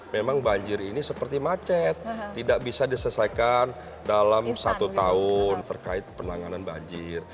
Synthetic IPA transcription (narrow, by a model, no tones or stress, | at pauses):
memaŋbaɲd͡ʒɪɾinisəpərt̪imat͡ʃɛt̪ːidaʔ̚bisadisəsakan | dalamsat̪ut̪aʊnt̪ərkaɪt̪̚pənaŋananba̰ɲd͡ʒɪr